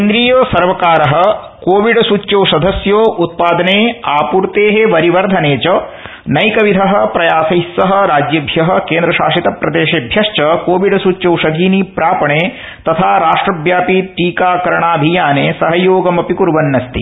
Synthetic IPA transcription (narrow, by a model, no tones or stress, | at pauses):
end̪ɾiːjoːsɐɾʋɐkaːɾɐɦɐ̆ | koːʋiɖɐsuːt͡ʃɐwsɐd̪ʱɐsjoːʔut̪̚paːd̪ɐneːaːpuːɾt̪eːɦeʋɐɾiʋɐɾd̪ʱɐneːt͡ʃɐ | nɐjkɐʋid̪ʱɐɦɐ̆pɾɐjaːsɐɦisːɐɦɐ̆ɾaːd͡ʒjɐbʱjɐɦɐ̆keːnd̪ɾɐʃa̰ːʂit̪ɐpɾɐd̪eːʃeːbʱjɐʃt͡ʃɐkoːʋiɖɐsuːt͡ʃɐwʂɐd̪ʱiːnipɾaːpɐɳeː | t̪ɐt̪ʰaːɾaːʂʈɾɐbjaːpiʈiːkaːkɐɾɐɳaːbʱijaːneːsɐɦɐjoːɡɐmɐpikuɾʋɐnːɐst̪ḭ